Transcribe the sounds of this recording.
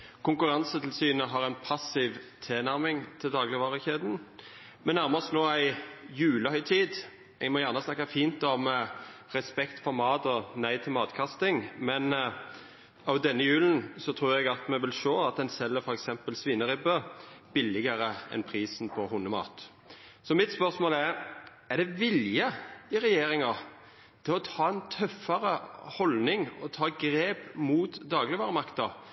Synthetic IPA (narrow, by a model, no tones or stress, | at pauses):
kʰʊŋkʉʁɑnsət̪ʰɪlsyːnəɦɑʁæɛɪnpʰɑsɪʋt̪ʰeːnæɾmɪŋt̪ʰɪld̪ɑːɡlɪʋɑːʁəçeːd̪n̩ | mɛnæʁməsnoːæɪjʉːləhœʏt̪ʰiːd̪ | ɛɡmɔjæʁnəsnɑkːɑfiːnt̪ɔmʁɛspɛkt̪fɔɾmɑːt̪ɔnæɪt̪ʰɪlmɑːt̪kʰɑst̪ɪŋmɛn | ɑʋd̪ɛnːəjʉːln̩sɔt̪ʰɾuːɾɛɡɑt̪mɛʋɪlʃoːɑt̪̚d̪ɛnsɛlːəɾfɔɾɛksɛmpəlsʋiːnəɾɪbəb̥ɪlːɪɡəɾəɛ̰npʰɾiːsnpʰɔɦʊnːəmɑ̰ːt̪ | sɔmɪt̪spœʁsmoːlæɾ | æd̪ɛʋɪljəɪɾɛjeːɾɪŋɑ | t̪ʰɪlɔt̪ʰɑːɛnt̪ʰœfːɑɾəhɔlnɪŋɔt̪ʰɑːɡɾeːpmuːt̪d̪ɑːɡlɪʋɑːɾəmɑkt̪ɑ